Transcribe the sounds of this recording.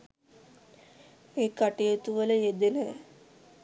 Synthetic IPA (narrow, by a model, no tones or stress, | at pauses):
eːkaʈijət̪uʋələjed̪enə